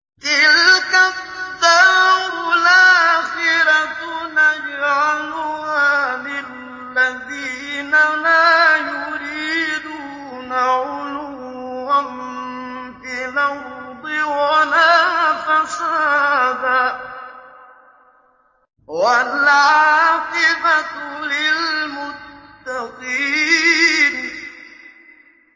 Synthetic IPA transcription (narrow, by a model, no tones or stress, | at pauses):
kɪlka | d̪aɾlaːxɪɾat̪ʊnad͡ʒʕalʊhaːmɪ | lːaðiːnalaːjʊɾiːd̪uː | naʕʊlu | am | bɪlahd̪ˤɪwalaːfasaːd̪a | walʕʕaːfɪbalɪlmʊtt̪ːaqiːn